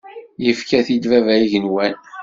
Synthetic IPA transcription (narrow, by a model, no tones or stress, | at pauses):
jəfkæθid̪vævæiʝənwæn